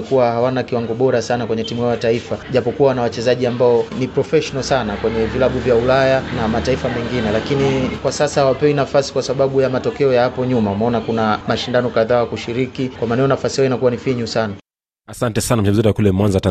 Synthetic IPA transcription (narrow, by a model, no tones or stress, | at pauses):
kuwahawanakiwaŋɡɔɓɔɾasanakwɛɲɛtimuajataifaʄapɔkuwanawat͡ʃɛzaʄiambaɔnipɾɔfɛʃɔnasanakwɛɲɛvilaɓuvjaulajanamataifamɛŋɡinɛlakinikwasasahawapɛwinafasi̥kwasaɓaɓujamatɔkɛɔjahapɔɲumaumɛɔnakunamaʃindanɔkaðaːjakuʃiɾikikwamanɛɔnafasihajɔinakuwanifiɲusana | asantɛsanam̩t͡ʃɛzɔtakulɛmwanzata